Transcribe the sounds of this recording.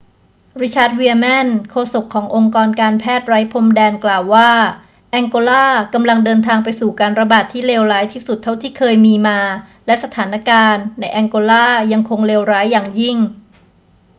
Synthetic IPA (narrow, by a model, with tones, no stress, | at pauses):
ɾi˦˥t͡ɕʰaː˦˥t̪̚wiː˧mɛ˥˩nkʰoː˧so˨˩kʰːɔː˩˦ŋʔo˧ŋkɔː˧nkaː˧npʰɛː˥˩t̪̚ɾa˦˥jpʰo˧mdɛː˧nklaː˨˩wːaː˥˩ | ʔɛ˧ŋkoː˧laː˥˩ka˧mla˧ŋdɤː˧nt̪ʰaː˧ŋpa˧jsuː˨˩kaː˧nɾa˧baː˨˩t̪ʰːiː˥˩leː˧wɾaː˦˥jt̪ʰiː˥˩su˨˩t̪ʰːa˥˩wt̪ʰiː˥˩kʰɤː˧jmiː˧maː˧lɛ˦˥sa˧t̪ʰaː˩˦na˧kaː˧nːa˧jʔɛ˧ŋkoː˧laː˥˩ja˧ŋkʰo˧ŋleː˧wɾaː˦˥jːaː˨˩ŋji˥˩ŋ